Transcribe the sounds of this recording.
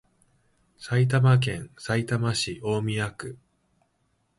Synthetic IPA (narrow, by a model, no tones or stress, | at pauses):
sait̪̬amak̬ẽ̞ɰ̃sait̪amaɕiʔo̞ːmʲiakɯ̟